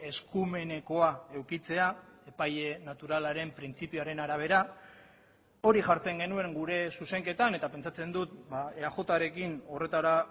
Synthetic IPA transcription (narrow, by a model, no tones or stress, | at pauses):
e̞skume̞ne̞ko̞ae̞wkit͡se̞ae̞paje̞nat̪uɾalaɾe̞mpɾint͡sipioaɾe̞naɾaβ̞e̞ɾa | o̞ɾiʝaɾt͡se̞ŋɡe̞nue̞ŋɡuɾe̞suse̞ŋke̞t̪ane̞t̪ape̞nt͡sat͡se̞nd̪ut̪baeaxo̞t̪aɾe̞kino̞re̞t̪aɾa